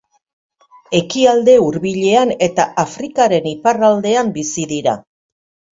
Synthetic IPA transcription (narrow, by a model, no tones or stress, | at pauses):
e̞kiald̪e̞uɾβiʎe̞ane̞t̪aʔafɾikaɾe̞niparald̪e̞ambisiðiɾa̰